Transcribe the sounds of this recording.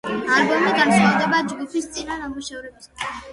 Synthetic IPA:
aɾbɔmiɡansʰχalˠd̪ɛbad͡ʒɡupʰist̪sʼinanamuʃavɾɛbs

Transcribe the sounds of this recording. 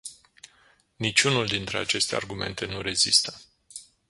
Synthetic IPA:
nit͡ʃʲunuld̪int̪ɾea̰t͡ʃe̞st̪ea̰rɡume̞̰nt̪e̞nuɾe̞zist̪ə

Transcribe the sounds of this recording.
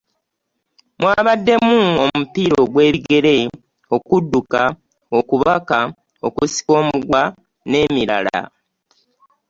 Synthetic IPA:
mwaːβadːe̞muomupiɾo̞ɡwe̞ːβiɡe̞ɾe̞ | o̞kudːuka | okuβaka | o̞kusi̥ko̞ːmuɡwa | ne̞miɾa̰la̰

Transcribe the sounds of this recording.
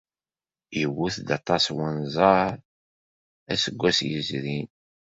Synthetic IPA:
jəwːuθd̪ɑt̪ˤɑswənzˤəɾ | æsəɡʷːæsjəzɾin

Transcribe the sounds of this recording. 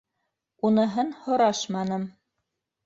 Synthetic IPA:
unɤ̆ɦɤnhŏɾɑʃmɑnɤm

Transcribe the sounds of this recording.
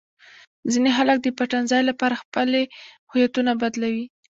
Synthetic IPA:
zineɦalak̚d̪əpaʈanzɑjlapɑɾaxpəle | hʊjat̪unabad̪lawi

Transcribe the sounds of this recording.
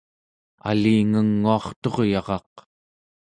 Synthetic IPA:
a̰liːŋəŋːuɑχt̪o̞ʁjɑʁɑq

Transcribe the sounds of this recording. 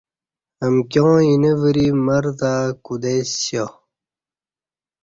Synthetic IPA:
ɐmkjõːinevəɾimɐɾt̪akud̪esjo

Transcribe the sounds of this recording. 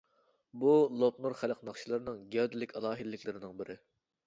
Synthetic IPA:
bulˠop̚nuɾχæləqnɑχʃilˠɨɾɨnɨŋɡʲɛwd̪ɪlɪkʲɑlˠɑːɦilːɪkʲlɪɾɪnɨŋbɪɾʔɪ

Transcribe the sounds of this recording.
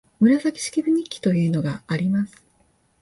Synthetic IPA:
mɯ̟ɾasakʲi̥ɕi̥kʲibɯ̟ɲ̟ikʲːi̥t̪ojɯ̟ːno̞ɡaːɾʲimasɨ̥

